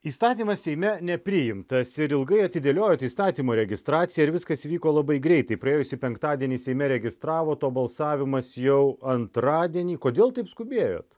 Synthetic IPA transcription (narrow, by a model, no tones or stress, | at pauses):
iːst̪ɑːt̪ʲiːmɐssʲɛɪmʲɛnʲɛpʲɾʲɪjɪmt̪ɐsɪɾɪlˠɡɐɪɐt̪ʲɪd̪ʲeːlʲoːjoːt̪iːst̪ɑːt̪ʲiːmoːɾʲɛɡʲɪst̪ɾɑːt̪sʲɪjɛɪɾʋʲɪskɐsiːʋʲiːkoːlˠɐbɐɪɡɾʲɛɪt̪ɐɪpɾɐeːjʊsʲɪpʲɛŋkt̪ɑːd̪ʲiɛnʲiːsʲɛɪmʲɛɾʲɛɡʲɪst̪ɾɑːʋoːt̪oːbɐlˠsɑːʋʲɪmɐsjɛʊɐnt̪ɾɑːd̪ʲiɛnʲiːkoːd̪ʲeːlˠt̪ɐɪpskʊbʲeːjo̰ːt̪